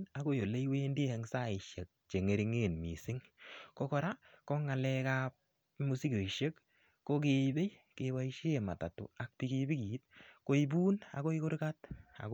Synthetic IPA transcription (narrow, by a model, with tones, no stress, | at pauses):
na˨ko˦jo˨le˦jwe˦ndi˦hɛ˨ŋsa˦ɪ˨ʃe˨k̚t͡ʃe˨ŋe˨ɾi˦ŋe˦˨nmḭ˨sɪ˦ŋko˦kɔ˦ɾa˦kɔ˦ŋa˨lɛ˦ka˦p̚ | mu˦si˦ɡo˨i˨ʃe˦kː | o˦ke˦be˦jke˨wa˦i˦ʃe˦e˨ma˨ta˨tʊ̰˨a˨k̚pi˦ɡi˦bi˦ki˨˦t̚ko˦i˦buː˦na̰˨ko˦i˦kʊ˦ɾka˦ta̰˨k